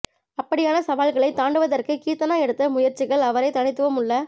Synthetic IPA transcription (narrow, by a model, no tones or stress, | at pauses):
ɐpːɐɽɪjaːnɐsɐʋaːlɣɐɭɐɪt̪ːaːɳɖɯʋɐðɐrkɯkiːt̪ːɐnaːɛɽɯt̪ːɐmʊjɐɾt͡ʃɪɣɐɭɐʋɐɾɐɪt̪ːɐɳɪt̪ːɯʋɐmɯɭːɐ